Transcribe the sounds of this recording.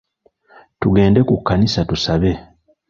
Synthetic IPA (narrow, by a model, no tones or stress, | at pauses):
tuɡe̞ːndekukːanisatusaβe̞